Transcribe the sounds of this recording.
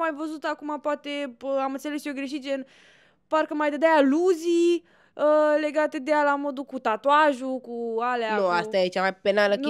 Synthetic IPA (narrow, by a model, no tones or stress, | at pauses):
majvəzut̪akumapoat̪e̞amɨnt̪selesijoɡɾeʃ̬it̪d͡ʒen | parkəmajd̪əd̪ajaluzi | əle̞ɡat̪e̞d̪ejalamo̞d̪ukut̪at̪oaʒukualeannoast̪ajet͡ʃamajpenalək